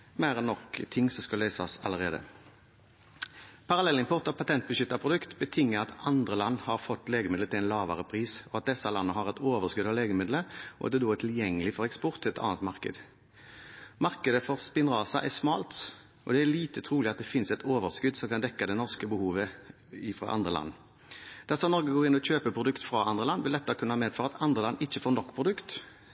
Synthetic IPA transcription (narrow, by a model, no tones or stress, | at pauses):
mæːʁɛnːɔkt̪ʰɪŋːsɔmskɑløːsɑ̰sɑ̰ləʁeːd̪ə̰ | pʰɑʁɑlɛlːɪnpʰɔʁt̪ːɑpʰɑt̪ʰɛnt̪̚bəʃʏt̪ːɑpʰʁʊd̪ʉkt̪bət̪ʰɪŋːəɑt̪ɑnd̪ʁəlɑnːhɑʁfɔt̪ːleːɡəmɪd̪lət̪ɪlɛɪnlɑːʋə̰ʁəpʰʁiːsɔɑt̪̚d̪ɛsɑlɑnːəɦɑʁɛt̪oːʋəʁskʉd̪ɑʋleːɡəmɪd̪ləɔ̰ʔɑ̰t̪̚d̪ɛd̪oːɛt̪ʰɪljɛŋːəlɪfɔʁɛkspɔʁt̪ʰːɪlɛt̪ʰɑ̰ːnət̪mɑʁkə̰d̪ | mɑʁkəd̪əfɔʁspɪnʁɑːsɑ̰ʔɛʁsmɑːlt̪ | ʔɔd̪ɛæliːt̪ət̪ʰɾuːlɪɑt̪̚d̪ɛfɪnsɛt̪ʰoːʋəʁskʉd̪sɔmkɑnd̪ɛkːɑd̪ɛnɔʁskəbəhuːʋə | ɪfʁɑ̰ʔɑ̰nd̪ʁəlɑ̰nː | d̪̥ɑsɔmnɔʁɡəɡoːʁɪnːɔɕøːpəpʰɾʊd̪ʉkt̪fɾɑɑnd̪ʁəlɑnːʋɪld̪ɛt̪ːɑkʰʉnːəhɑmeːd̪fɑːʁɑɑt̪ɑnd̪ʁəlɑnːɪçːəfoːɾnɔkːpʰʁʊd̪ʉkt̪